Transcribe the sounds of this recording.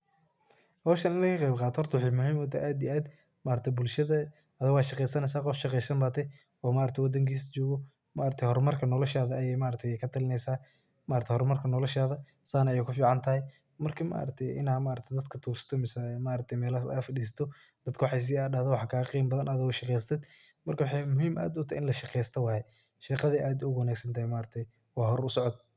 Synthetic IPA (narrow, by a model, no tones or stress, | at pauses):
hɔɔʃɐnɪnɛkʰɐqɛjbqɑːt̪ʰɔhɔrt̪ʰɐwħɪmʊɦiːmwɔt̪ʰɐ̰ʔaːd̪ijaːd̪ | maːɾɐt̪ʰɛbʊlʃɐðɐ | ɐðɐɣwaːʃɑqɛjsɐnɛjs̬aːqɔfʃɑqɛjsɐmbaːt̪ʰɛ | wːmaːɾɐt̪ʰɛjwɐd̪ɐŋkʰiːst͡ʃɔːɣɔ | maːɾɐt̪ʰɛhɔrmɐrkʰɐnɔlɔʃaːðɐɐjɛjmaːɾɐt̪ʰɛjkʰɐt̪ʰɐlɪnɛjsaː | maːɾɐt̪ɛhɔrmɐrkʰɐnɔlɔʃaːðɐ | saːnɐjɛːkʰʊfiːʕɑnt̪ʰɐɦɛj | mɐrkʰɐma̰ːʔɾɐt̪ʰɛjʔɪ̰naːmaːɾɐt̪ʰɛd̪ɐd̪kʰɐt̪ʰuːsɐ̥t̪ʰɔmɪsaɛmaːɾɐt̪ʰɛjmɛːlɐsɐ̰ɐfɐɗiːsɐ̥t̪ʰɔ | d̪̥ɐd̪kʰɐwħɑjs̬iːaːɐhðɔwɑħɑkʰaːɣɐqiːmbɐðɐnʔɐðɪɣɔʃɑqɛjsɐt̪ʰɛd̪ | mɐrkʰɐwɑħɑjmʊɦiːmʔa̰ːd̪ʊʊt̪ʰahɪnlɐʃɑqɛjst̪ʰɐwɑːjɛ | ʃiːqɑðɛʔaːd̪ʊɣwɐnaːɡsɐnt̪ʰɐhjmaːɾɐt̪ʰɛj | wɑːɦɔɾʊsɔʕɔd̪̚